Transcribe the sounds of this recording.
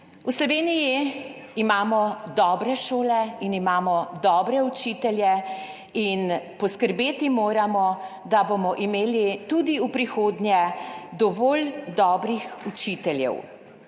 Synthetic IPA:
uslɔʋeːnijiimaːmɔd̪ɔːbɾɛʃoːlɛinimaːmɔd̪ɔːbɾɛut͡ʃiːt̪ɛljɛ | inpɔskəɾbeːt̪imoːɾamɔ | d̪abomɔʔimeːlit̪ud̪iupɾixoːd̪njɛd̪ɔʋoːld̪ɔːbɾixut͡ʃit̪ɛljɛ̰w

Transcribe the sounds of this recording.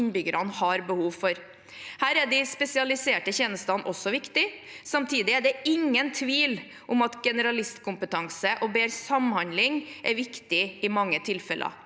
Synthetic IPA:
nbʏɡəɾɑnhɑɾbəhuːʋfɔɾ | hæːɾæɖɪspɛsɪɑlɪseːʈəçɛːnəst̪ɑnʔɔsːɔʋɪkt̪ɪsɑmt̪ʰiːd̪ɪæɖɛɪŋːənt̪ʰʋiːl | ʔʊmɑt̪ɡɛnəɾɑlɪst̪kʰʊmpət̪ʰɑŋsəʔɔbeːɾsɑmhɑnd̪lɪŋʔæɾʋɪkt̪ɪɪmɑŋːət̪ʰɪlfɛlʔə̰

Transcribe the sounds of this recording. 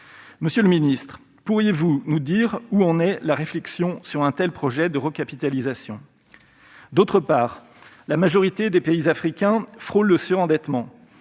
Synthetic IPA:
məsjøləminist̪χ | puʁjevunud̪iʁuɑ̃nɛlaʁeflɛksjɔ̃syʁɛ̃t̪ɛlpχɔʒɛd̪əʁəkapit̪alizasjɔ̰̃ | d̪ot̪χəpaːʁ | lamaʒɔʁit̪ed̪epeizafχikʲɛ̃fχolːəsyʁɑ̃d̪ɛt̪mɑ̃

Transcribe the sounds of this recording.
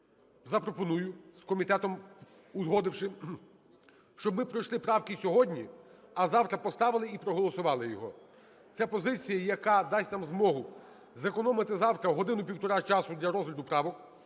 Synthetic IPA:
zɐpɾɔpɔnujʊskɔmʲit̪ɛt̪ɔm | ʊzɦɔd̪ɪwʃɪ | ʃt͡ʃɔbmɪpɾɔjʃlˠɪpɾɑwkɪsʲɔɦɔdʲnʲiɐzɑwt̪ɾɐpɔst̪ɑʋɪlˠɪipɾɔɦɔlˠɔsʊʋɑlˠɪjɔɦɔ | t͡sʲapɔzɪt͡sʲijɐjɐkɑd̪ɑsʲt̪amzmɔɦʊ | zekɔnɔmɪt̪ɪzɑwt̪ɾɐɦɔd̪ɪnʊpʲiwt̪ɔɾɑt͡ʃɑsʊdʲlʲɐɾɔzɦlʲɐd̪ʊpɾɑʋɔk

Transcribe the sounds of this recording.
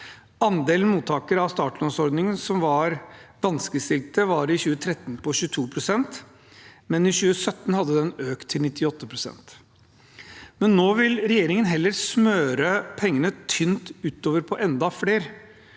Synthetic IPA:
ɑnd̪eːln̩muːt̪ʰːɑːkəɾɑʋst̪ɑːʈlɔnsɔɾd̪nɪŋənsɔmʋɑɾʋɑnskəst̪ɪlt̪əʋɑɾɪɕʉːət̪ʰɾɛt̪ːnpʰɔɕʉːt̪ʰuːpʰɾʊsɛnt̪ | mɛnɪɕʉːəsœt̪ːn̩hɑd̪ːəd̪ɛnøːkt̪ʰːɪlnɪt̪ʰːɪɔt̪ːəpʰɾʊsɛ̰nt̪ | mɛnːoːʋɪlɾɛjeːɾɪŋənɦɛlːəɾsmøːɾəpʰɛŋːənət̪ʰʏnt̪ʉːt̪oːʋəɾpʰɔʔɛnd̪ɑfleːɾ

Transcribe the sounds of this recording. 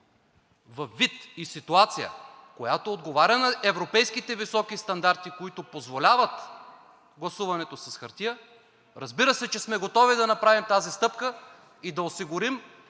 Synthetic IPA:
vɐfːit̪isit̪uat̪sijə̰kojat̪oːd̪ɡovaɾʲɐnɐʔɛvɾopɛjskit̪ɛvisɔkist̪ɐnd̪aɾt̪ikoit̪opozvolʲavɐt̪ | ɡlˠɐsuvɐnɛt̪osɛsxɐɾt̪iə | ɾɐzbiɾəsɛt͡ʃɛsmɛɡot̪ɔvid̪ɐnɐpɾavimt̪azist̪ɤpkə | id̪ɐosiɡʊɾim

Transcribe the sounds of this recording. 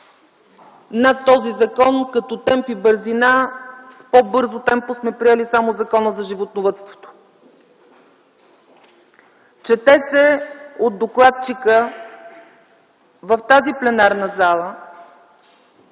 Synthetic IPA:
nat̪ːɔzizɐkɔnkɐt̪ɔt̪ɛmpibəɾzinaspɔbɤɾzot̪ɛmposmɛpɾiɛlisamozɐkɔnəzɐʒivot̪novət̪st̪vo̥t̪o̥ | t͡ʃɛt̪ɛsɛod̪d̪oklˠat̪̚t͡ʃikə | vɐft̪aziplɛnaɾnəzalˠə

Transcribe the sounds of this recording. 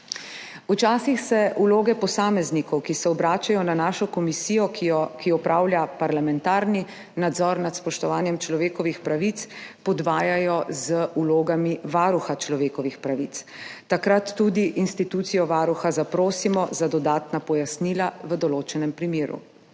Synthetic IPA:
ut͡ʃaːsixsɛʔuloːɡɛpɔsaːmɛznikɔwkisɛɔbɾaːt͡ʃajɔnanaːʃɔkɔmisiːjɔkiɔpɾaːwlʲjapaɾlamɛnt̪aːɾni | nad̪zɔɾnat̪spɔʃt̪ɔʋaːnjɛmt͡ʃlɔʋeːkɔʋixpɾaʋit̪spɔd̪ʋaːjajɔzəʔuloːɡamiʋaːɾuxat͡ʃlɔʋeːkɔʋixpɾaʋit̪ | t̪akɾat̪ːud̪iʔinst̪it̪uːt̪sijɔʋaːɾuxazapɾoːsimɔzad̪ɔd̪aːt̪napɔjasniːlaʋəd̪ɔloːt͡ʃɛnɛmpɾimeːɾṵ

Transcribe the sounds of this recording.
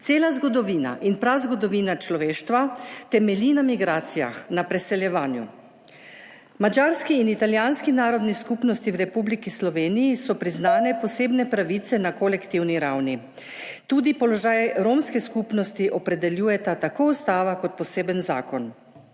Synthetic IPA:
eːlazɡɔd̪ɔʋiːna̰ʔinpɾazɡɔd̪ɔʋiːnat͡ʃlɔʋeːʃt̪ʋat̪ɛmɛlinamiɡɾaːt̪sija̰xnapɾɛsɛljɛʋaːnjṵ | mad͡ʒaːɾskiːnit̪aljaːnskinaːɾɔd̪niskupnɔst̪iwɾɛpublikislɔʋeːnijːsɔpɾiznaːnɛpɔseːbnɛpɾaʋit̪sɛnakolɛkt̪iwniɾawni | t̪uːd̪ipɔlɔʒaːjɾomskɛskupnɔst̪iʔɔpɾɛd̪ɛljuːjɛt̪at̪akoust̪aːʋakɔt̪̚pɔseːbənza̰ːkɔn

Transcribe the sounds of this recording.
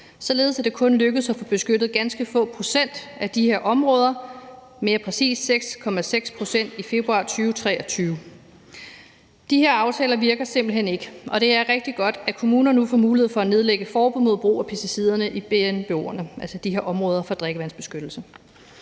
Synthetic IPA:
sɒ̽le̝ːð̞̩ˠsæd̥e̝kʰɔ̽nløɡ̥əð̞̩ˠsæfɔ̽b̥e̝sɡ̥ød̥ð̩ˠɡ̥ænsɡ̥əfɔ̰̽ːpʰʁo̝sen̰d̥æd̥ihe̝ɐ̰ʔɒ̽mʁɔːð̞ˠɐ | me̝ːɐpʰʁɛsḭːsːeɡ̥skʰɒ̽mæseɡ̥spʰʁo̝sen̰d̥ife̝b̥ʁuɑ̈ːt͡sʰyːʊt͡sʰʁɛ̰ːɒt͡sʰyːʊ | d̥ihe̝ɐ̰ɑ̈ʊt͡sʰɛːlɐʋiɐɡ̥ɐse̝m̰b̥l̩ɦene̝ɡ̥əʔɒ̽ɾ̥e̝æɐʁɛɡ̥̚d̥iɡ̥ɒ̽d̥ækʰo̝muːnɐnnufɒmuːlihe̝ð̩̰ˠfɒ̽æne̝ð̞ˠleɡ̥əfɒːb̥uðˠmo̝ð̞̰ˠb̥ʁṵːɐpʰæsd̥isið̞̰ˠɐnəʔib̥eenb̥o̰ɐnəʔælsəd̥ihe̝ɐ̰ɒ̽mʁɔːð̞ˠɐfɒ̽d̥ʁeɡ̥əʋæn̰sb̥e̝sɡ̥ød̥l̩sə

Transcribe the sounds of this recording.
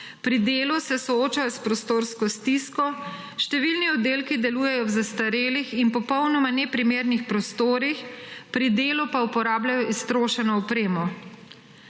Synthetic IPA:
pɾid̪eːlusɛsɔoːt͡ʃajɔspɾɔst̪oːɾskɔst̪iskɔ | ʃt̪ɛʋilniɔd̪eːlkid̪ɛluːjɛjɔwzast̪aɾeːlixinpɔpɔwnɔmanɛpɾimeːɾnixpɾɔst̪oːɾixpɾid̪eːlupaupɔɾaːblʲjajɔʔist̪ɾoːʃɛnɔːpɾeːmɔ

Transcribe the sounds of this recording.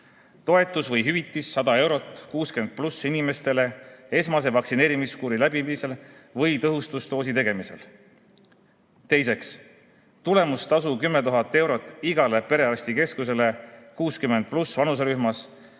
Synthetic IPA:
t̪o̞e̞t̪ːˑusvɤjɦyvit̪ˑːisːɑd̪̥ɑe̞wɾo̞t̪kuːskyemnd̪̥̚plusːinime̞st̪e̞le̞e̞smɑs̬e̞vɑksine̞ːɾimiskuːɾilæbipise̞lvɤjt̪ɤɦust̪ust̪o̞ːs̬it̪e̞ɡ̥e̞mise̞l | t̪e̞jse̞ks | t̪ule̞must̪ɑsukymːe̞t̪uɦɑt̪ˑːe̞wɾo̞t̪ːˑiɡ̥ɑle̞pe̞ɾe̞ɑɾsʲt̪ike̞skuse̞le̞kuːskymend̪̚plusvɑnus̬eɾyhmɑs

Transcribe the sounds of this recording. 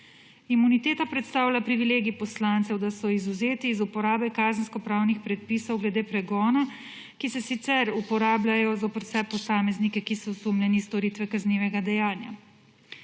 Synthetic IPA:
imunit̪eːt̪apɾɛt̪st̪aːwlʲapɾiʋileːɡipɔslaːnt̪sɛwd̪asɔizuzeːt̪iːzupɔɾaːbɛkaːzənskɔpɾaːwnixpɾɛt̪̚pisɔwɡlɛd̪eːpɾɛɡɔːna | kisɛsit̪sɛɾupɔɾaːblʲajɔzopɛɾwsɛpɔsaːmɛznikɛkisɔsumlʲjɛnist̪ɔɾiːt̪ʋɛkazniːʋɛɡad̪ɛjaːnja̰

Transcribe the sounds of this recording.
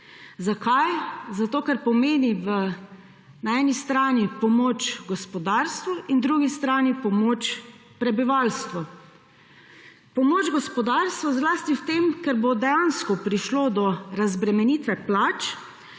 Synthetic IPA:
zakajzat̪oːkaɾpɔmeːniʋə | naɛːnist̪ɾaːnipɔmoːt͡ʃɡɔspɔd̪aɾst̪ʋɔʔind̪ɾuɡist̪ɾaːnipɔmoːt͡ʃ | pɾɛbiʋalst̪ʋɔ | pɔmoːd͡ʒɡɔspɔd̪aːɾst̪ʋɔzlaːst̪iwt̪emkɛɾbod̪ɛjanskɔpɾiʃloːd̪ɔɾazbɾɛmɛniːt̪ʋɛplaːt͡ʃ

